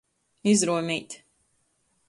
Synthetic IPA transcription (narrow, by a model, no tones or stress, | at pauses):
izɾuɔmiːt̪ʲ